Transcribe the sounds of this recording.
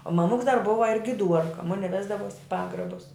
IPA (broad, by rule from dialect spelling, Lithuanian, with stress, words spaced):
oː mɐˈmʊks dɐr ˈbʊʋɐ ɪr ɡʲɪˈduɔrkɐ ˈmʊnʲɪ ˈʋʲæːzdɐʋuɔs ɪ ˈpɑːɡrɐbʊs